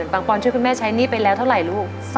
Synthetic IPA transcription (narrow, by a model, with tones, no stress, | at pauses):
npaː˧ŋpɔː˧nʰɯ˥˩ku˧nmɛː˥˩t͡ɕʰa˦˥jniː˥˩pe˧lɛː˦˥wt̪ʰwɾa˨˧˩jɾuː˦˥˩k̚ | s